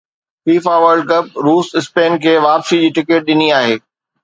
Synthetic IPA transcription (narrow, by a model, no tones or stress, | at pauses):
fiːfaːʋəɾɖkɐp̚ɾuːsɪspeːnkʰeːʋaːpsid͡ʑiːʈɪkɪʈ̚ɗɪniaːɦeː